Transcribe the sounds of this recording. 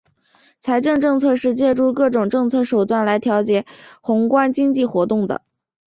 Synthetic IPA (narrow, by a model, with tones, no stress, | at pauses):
t͡sʰa˧˥ɪʈ͡ʂɤ˥˧ŋʈ͡ʂɤ˥˧ŋt͡sʰɤ˥˧ʂɻ̩˥˧t͡ɕjɛ˥˧ʈ͡ʂu˥˧kɤ˥˩ʈ͡ʂʊ˨˩ŋʈ͡ʂɤ˥˧ŋt͡sʰɤ˥˩ʂo˨˩ʊt̪wa˥˩nla˧˥ɪt̪ʰjɑ˧˥ʊt͡ɕjɛ˨˩˦xʊ˧˥ŋkwa˥nt͡ɕi˥ŋt͡ɕi˥˩xwɔ˧˥t̪ʊ˥˩ŋd̪ə̰˩